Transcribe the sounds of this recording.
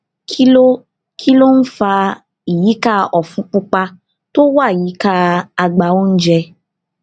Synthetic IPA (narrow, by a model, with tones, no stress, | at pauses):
ki˦lo˦ | kʰi˦lo˦n̩˦fa˧ | i˨ji˨˦ka˦˧ɔ˨fũ˨˦k͡pu˦k͡pa˧ | to˦wa˦˨i˨ji˨˦ka˦˧a˧ɡ͡ba˧o˦n̩˦d͡ʒɛ˧